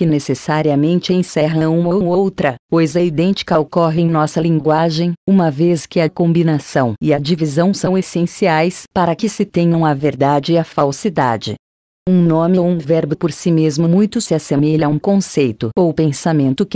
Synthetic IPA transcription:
kɪnesesaɾiɐmẽnt͡ʃɪẽsɛɦɐɐũmɐ̃oowt̪ɾɐkojzɐid̪ẽnt͡ʃi̥kɐokɔɦɪ̃j̃nɔsɐlĩŋɡwaʒẽj̃ũmɐveskɪɐkõmbinasɐ̃w̃ɪɐd͡ʒivizɐ̃w̃sɐ̃w̃esẽsiajspaɾɐkɪsɪt̪ẽɲɐ̃w̃ɐveɾd̪ad͡ʒɪɪɐfawsid̪a̰d͡ʒɪ̰ | ũnõmɪwũvɛɾbʊpoɾsimezmʊmũj̃t̪ʊsɪasemeʎɐũkõsejt̪ʊowpẽsamẽnt̪ʊk

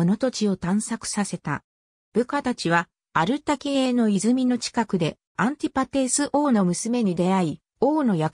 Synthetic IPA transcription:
ono̞t̪o̞t͡ɕio̞t̪ãɰ̃sakɯ̟̥sase̞t̪a̰ | b̥ɯ̟kat̪at͡ɕiβ̞a | aɾɯ̟t̪akeeːno̞izɨmʲino̞t͡ɕi̥kakɯ̟d̪e̞ | ãnt̪ʲipat̪e̞ːsɨʔo̞ːno̞mɯ̟sɨme̞ɲ̟id̪e̞ai | o̞ːno̞jak

